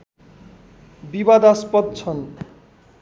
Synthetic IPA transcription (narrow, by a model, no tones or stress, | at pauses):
bibad̪aspʌd̪̚t͡sʰʌn